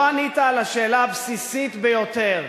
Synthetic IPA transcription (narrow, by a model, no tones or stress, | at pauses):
anit̪aːlaʃe̞ːlaːbsisit̪bejo̞t̪e̞ʁ